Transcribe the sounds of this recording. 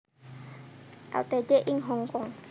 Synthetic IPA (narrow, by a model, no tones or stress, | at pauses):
a̰wt̪ɛd͡ʒeʔiŋɦɔŋkɔŋ